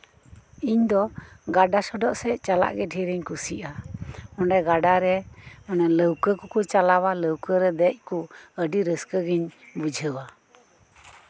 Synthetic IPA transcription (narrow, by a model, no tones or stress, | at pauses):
iɲd̪ɔɡaɖasɔɖɔʔsɛt͡ʃala̰ʔɡɛʈʰiɾiɲkusiʔaɔnɖɛɡaɖaɾɛɔnaləwkəkukut͡ʃalawaləwkəɾɛd̪ɛc̚ˀkuəɖiɾəskəɡiɲbud͡ʒʱəwa